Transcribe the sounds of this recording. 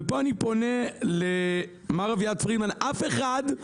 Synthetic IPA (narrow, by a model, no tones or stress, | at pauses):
epoanipo̞nele | maʁavjatfʁidmanʔafe̞χad